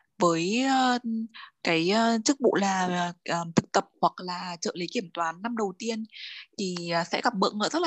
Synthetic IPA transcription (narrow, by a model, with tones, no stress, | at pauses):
vəː˨˦jə˧ | kaː˨˦jt͡ɕɨ˦˥k̚ɓṵ˧˨laː˨˩˨ʔəː˨˩t̪ʰɨ˨˩k̚t̪ə˨˩p̚hwa˨˩k̚laː˨˩t͡ɕə̰ː˧˨li˨˦ki˧˩əmt̪waː˨˦nːa˧mɗə˨˩wt̪i˧ənt̪ʰi˨˩˨sɛ̰˧˥ɣa˨˩p̚ɓə̰˧˨ŋʔə̰ː˧˩zə˦˥t̚l